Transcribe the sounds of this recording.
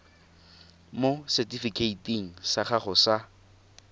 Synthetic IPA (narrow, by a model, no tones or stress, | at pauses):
mosɛtʼifikʰʼeitʼiŋ̩saχaχʊsa